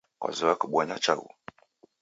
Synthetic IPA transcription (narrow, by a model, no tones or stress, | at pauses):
kʷa̰zuwakəɓʷaɲat͡ʃaṵ